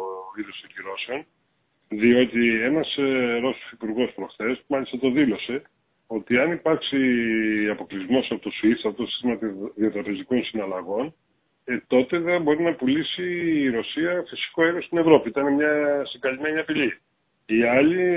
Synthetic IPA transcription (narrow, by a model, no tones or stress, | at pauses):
iðost̪oɲciɾo̞seo̞n | ðio̞t̪ie̞nɐsɾo̞so̥sipuɾɣo̞spɾo̞xθe̞smɐlist̪ɐt̪o̞ðilo̞se̞ | o̞t̪iɐnipɐɾksiɐpo̞klizmo̞sɐpot̪osuiθsɐpot̪osi̥st̪imɐðio̞t̪ɾɐpe̞ziko̞nsinɐlɐɣo̞n | t̪o̞t̪e̞ðɐbo̞ɾinɐpulisiːɾo̞siɐfisi̥ko̞e̞ɾɣost̪ine̞vɾo̞piit̪ɐnemɲɐsiŋɡɐlime̞ɲiɐpiʎi | iɐʎi